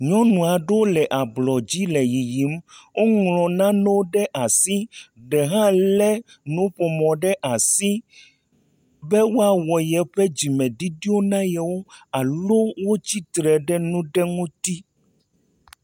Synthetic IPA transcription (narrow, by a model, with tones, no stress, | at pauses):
ɲɔ̃˦nũ˨a˨ɖe˦wo˦lɛ˨ʔa˨blɔ˨d͡ʑi˦lɛ˨ji˨ji˨˦mwo˦ŋlɔ̃˨nã˦nɛ̃˦wo˦ɖɛ˦ʔa˨si˦ɖɛ˨ɦã˦lɛ˦ | nũ˦ɸɔ˨mɔ̃˨ɖɛ˦ʔa˨si˦ | bɛ˦wo˦a˨wɔ˨jɛ˨ɸɛ˦d͡ʑi˨mɛ̃˨ɖi˦ɖi˦o˦nã˦jɛ˨wo˦a˨lo˦wo˦t͡ɕi˦t̪ɾɛ˨ɖɛ˦nũ˦ɖɛ˦ŋũ˦t̪i˦